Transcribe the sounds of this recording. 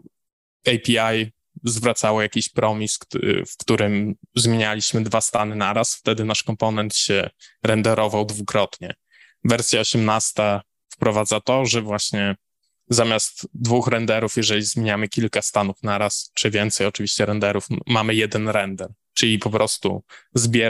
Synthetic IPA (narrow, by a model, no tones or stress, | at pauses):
ɛjpʲiaj | zvɾat̪sawɔjakʲiɕpɾɔmʲisfkt̪uɾɘmzmʲjeɲalʲiɕmɘd̪vast̪anɘnaɾasft̪ɛd̪ɘnaʂkɔmpɔnɛnt̪ɕɛɾɛnd̪ɛɾɔvawd̪vukɾɔt̪ɲɛ | vɛɾsʲjaɔɕɛmnast̪a | fpɾɔvad̪zat̪ɔʐɛvwaɕɲɛ | zamʲjast̪d̪vuxɾɛnd̪ɛɾufjɛʐɛlʲizmʲeɲamɘkʲilkast̪anufnaɾast͡ʂɘvʲjɛnt̪sɛjɔt͡ʂɘvʲiɕt͡ɕɛɾɛnd̪ɛɾufmamɘjɛd̪ɛnɾɛnd̪ɛɾ | t͡ʂɘlʲipɔpɾʔɔst̪ṵzbʲjɛ